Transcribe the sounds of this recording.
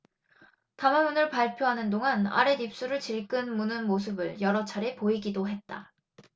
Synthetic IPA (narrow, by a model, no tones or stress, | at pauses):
tamamunɯɭpaɭpʰjoɦanɯndoŋana̰ɾe̞nip̚s͈uɾɯɭt͡ɕiɭk͈ɯnmunɯnmos̬ʰɯbɯɭjʌɾʌt͡ɕʰaɾe̞poiɡidoɦe̞t̚t͈a